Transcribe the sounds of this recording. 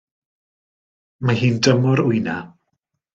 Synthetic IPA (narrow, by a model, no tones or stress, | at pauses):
mahiːndəmɔɾʊɨna